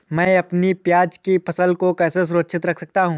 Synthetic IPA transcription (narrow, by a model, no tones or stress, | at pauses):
mɛ̃ːɐpnipjaːd͡ʒkipʰɐsəlkokɛːses̬ʊɾətʃʰɪt̪ɾɐkʰsɐk̚t̪aɦũː